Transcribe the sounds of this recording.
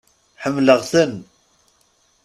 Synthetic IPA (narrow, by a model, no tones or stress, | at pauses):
ħəmːləʁθən